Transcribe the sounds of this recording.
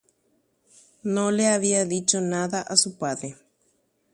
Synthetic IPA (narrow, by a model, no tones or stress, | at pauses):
nõleaβiaðit͡ʃonãðaʔasupaðe